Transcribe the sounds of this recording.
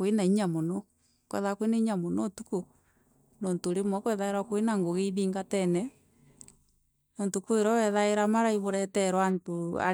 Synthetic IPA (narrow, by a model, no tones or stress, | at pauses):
kenaiɲamonɔ | kwɛ̰ðakwenaiɲamonotuko | nontoɾemwɔkwɛðaeɾakoenaŋɡoɣeβiːŋɡatɛnɛ | nontukoeɾɔɛðaeɾamaɾaiβoɾɛtɛɾwantoa̰